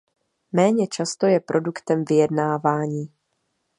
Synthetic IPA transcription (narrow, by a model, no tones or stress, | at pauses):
mɛːɲɛt͡ʃast̪o̞jɛpɾʔo̞dukt̪ɛmvɪjɛdnaːvaːɲiː